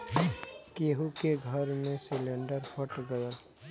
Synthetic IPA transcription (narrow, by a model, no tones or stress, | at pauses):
keɦukeɡʱəɾmẽsɪlẽɳɖəɾpʰəʈɡəɾəɾ